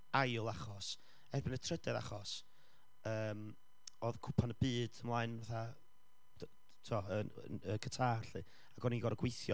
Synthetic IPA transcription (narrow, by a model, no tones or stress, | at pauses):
ajlˠaχɔs | ɛrbɪnətʰrədɛða̰χɔs | əːm | oðkʰʊpʰanəbɨːd̥əmlˠaːɨnvaθa | tʰuɔəə̰əkʰətʰaːrɬɨ | aɡɔniɡɔɾɡwejθjɔ